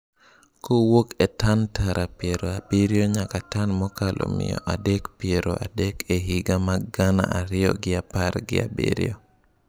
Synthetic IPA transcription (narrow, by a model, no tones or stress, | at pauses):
kowokɛtantaɾʔapjeɾoabeɾjoɲakatanmɔkalʔo̰mɪ̰jɔ̰ʔadɛkpjeɾo̰adɛkʰeɦiɡamaɡana̰aɾɪjɔ̰ɡɪapaɾɡɪ̰a̰bḛɾḭjo